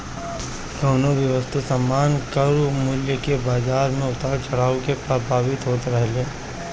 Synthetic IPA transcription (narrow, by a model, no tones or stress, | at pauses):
d̪oːnoʋjɐʋəst̪ʰusɐmːaːnkəɾumʊljəkebaːzaːɾmẽʊt̪aːɾt͡ʃɐɽ̤aːõkepɾəbʱaːʋɪt̪ɦoːt̪ɾɐɦleː